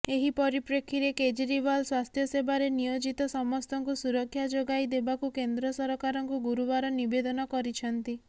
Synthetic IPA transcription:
eɦipɔɾipɾekʰiɾeked͡ʒɾibalswast̪ʰjɔsebaɾenijod͡ʒit̪ɔsɔmɔst̪ʰɔŋkusuɾɔkʰːjad͡ʒoɡajd̪ebakukend̪ɾɔsɔɾɔkaɾɔŋkuɡuɾubaɾɔnibed̪ɔnɔkɔɾit͡ʃʰɔnt̪i

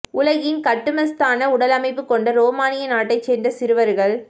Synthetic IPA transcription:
ʊlɐɣɪnkɐʈːɯmɐst̪aːnɐʊɽɐlɐmɐɪpːɯkːɔɳɖɐɾoːmaːnɪjɐnaːʈːɐɪt͡ʃːeːnd̪ɐsɪɾɯʋɐɾɣɐɭ

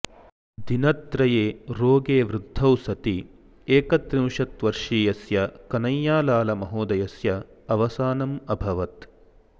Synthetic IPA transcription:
d̪inɐt̪ɾɐjeːɾoːɡeːʋɾud̪ʱːɐwsɐt̪i | eːkɐt̪ɾiwʂɐt̪ʋɐɾʂiːjɐsjɐkɐnɐjːaːlaːlɐmɐɦoːd̪ɐjɐsjɐː | ʋɐsaːnɐmɐbʱɐʋɐt̪

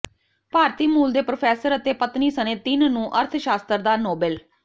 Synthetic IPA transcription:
paːɾt̪iːmuːld̪eːpɾoːpʰɛːsəɾət̪eːpət̪niːsənẽːt̪ɪnnũːʔəɾt̪ʰʃaːst̪əɾd̪aːnoːbɛl

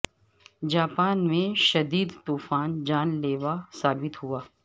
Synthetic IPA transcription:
d͡ʒaːpaːnmẽʃɐd̪iːd̪t̪uːfaːnd͡ʒaːnleːʋasaːbɪt̪ɦuaː

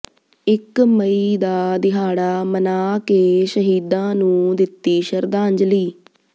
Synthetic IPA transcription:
ɪkməiːd̪aːd̪ɪɦaːɽaːmənaːkeːʃəɦiːd̪ãːnũːd̪ɪt̪ːiːʃəɾd̪ãːɲd͡ʒliː

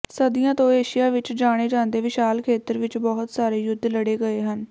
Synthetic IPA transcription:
səd̪ɪjãːt̪õːeːʃijaːʋɪt͡ʃd͡ʒaːɽ̃eːd͡ʒaːnd̪eːʋɪʃaːlkʰeːt̪əɾʋɪt͡ʃbɔːɦʊt̪saːɾeːjʊd̪ləɽeːɡəeːɦən

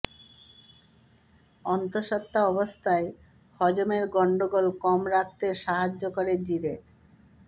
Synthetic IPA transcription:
ɔnt̪oɾʃat̪ːaɔbost̪ʰae | hɔd͡ʑomeɾɡɔɳɖoɡolkɔmɾak̚ʰt̪eʃaɦad͡ʑːokoɾed͡ʑiɾe

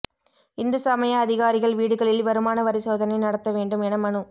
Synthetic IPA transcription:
ɪnd̪ɯsaːmɐjɐɐðɪɣaːɾɪɣɐɭʋiːɽɯɣɐɭɪlʋɐɾɯmaːnɐʋɐɾɪsoːðɐnɐɪnɐɽɐt̪ːɐʋeːɳɖɯmɛnɐmɐɳɯ

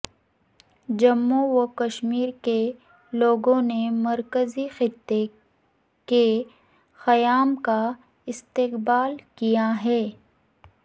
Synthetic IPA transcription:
d͡ʒɐmːowokɐʃmiːɾke | loːɡõnemɐɾkəzixɪt̪ːe | ke | xɐjaːmka | ɪst̪ɪqbaːlkijaɦɛː

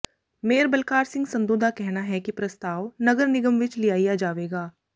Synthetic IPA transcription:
meːəɾbɐlkaːɾsɪ̃ŋɡsɐ̃nd̪oːd̪ʱakɛɦnaɦɛkipɾɐst̪aːʋnɐɡəɾnɪɡəmʋɪt͡ʃlijaːijad͡ʒaːʋeːɡaː

